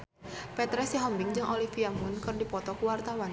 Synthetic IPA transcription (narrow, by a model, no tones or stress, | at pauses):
pɛt̪ɾɛsjaɦɔmbɪŋd͡ʒɨŋʔolifiamunkɨrdipɔt̪ɔkuwart̪awan